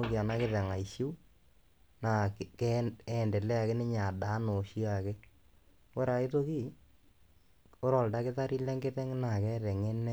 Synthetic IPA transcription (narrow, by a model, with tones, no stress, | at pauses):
o˦ki˨a˨na˦kɪ˦ðɛ˨ŋa˨i˨ʃi˦ | na˨kɛɛ˨ndɛ˨lɛ˦a˨ke˦nɪ˦ɲa˨da˨˦no˨ʃi˦a˨ke˦ | wo˦ɾa˨ɪ˦to˦ki˦˨ | o˦ɾɔ˨lda˦kɪ˦ta˦ɾi˦lɛ˦ŋɡɪ˦tɛ˦ŋ˦na˨kɛ˦ɾɛ˨ŋe˦nɛ˦